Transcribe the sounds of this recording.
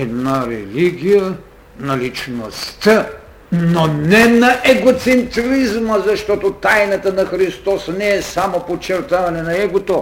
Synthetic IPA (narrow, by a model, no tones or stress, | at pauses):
ɛd̪naɾɛliɡʲijə | nɐlit͡ʃnost̪ə | nonɛnɐʔɛɡot̪sɛnt̪ɾizməzɐʃt̪ɔt̪ot̪ajnət̪ənɐxɾist̪ɔsnɛɛsamopot͡ʃːɛɾt̪avɐnɛnɐɛɡot̪o